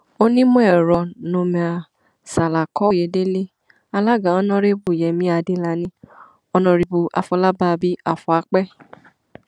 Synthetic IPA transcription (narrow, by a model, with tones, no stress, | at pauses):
o˦nĩ˦mũ˦ɛ˦˨ɾɔ˨nõ˧mɛ̃˧a˧˨ | sa˨la˨kɔ˨˦˨je˧˦de˦le˦ | a˧la˦ɡã˨˦ɔ˦nɔ̃˦ɾe˦bu˦˨jɛ˨mĩ˨˦a˧de˦la˧nĩ˦ | ɔ˧nɔ̃˧˨ɾi˧bu˧ʔa̰˧fɔ˧˦la˦ba˦˨˧bi˦a˧fɔ˧˦a˧˦k͡pɛ˦